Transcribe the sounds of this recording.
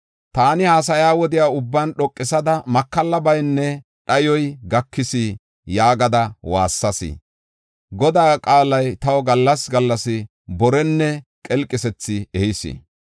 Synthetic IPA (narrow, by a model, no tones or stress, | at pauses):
t̪aːnɪhaːs̬ɐjaːwɔd̪ɪjaːʊbːaːnɗɔkʼːɪsɐd̪ɐmɐkːɐlːɐbɐjnːɛ | ɗɐjɔjɡɐkːɪsi | jaːɡɐd̪ɐwa̰ːsːɐsɪ̰ | ɡɔd̪aːkʼaːlɐjt̪ɐwɔɡɐlːɐsɡɐlːɐsɪ | bɔɾɛnːɛkʼɛlkʼːɪsɛt͡sːɪɛhɪsɪ̰